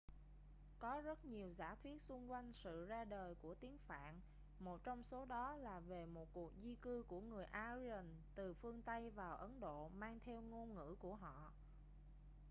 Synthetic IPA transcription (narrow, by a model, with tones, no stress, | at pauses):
kɔ˨˦zə˦˥t̚ɲi˨˩əwza̰ː˧˩t̪ʰwi˦˥ət̚sʊ˧ŋ͡mkwa˧jŋ̟sɨ̰˧˨zaː˧ɗəː˨˩jku˧˩ət̪i˨˦əŋfa̰ː˧˨n | mo˨˩t̚t͡ɕɔ˧wŋ͡mso˨˦ɗɔ˨˦laː˨˩ve˨˩mo˨˩t̚ku˨˩ək̚zi˧kɨ˧ku˧˩əŋɨ˨˩əjʔaː˧zi˧ə˨˩nt̪ɨ˨˩fɨ˧əŋt̪ə˧jvaː˨˩wʔə˨˦nɗo̰˧˨maː˧ŋt̪ʰɛ˧wŋo˧nŋɨ̰˧˥ku˧˩əɦɔ̰˧˨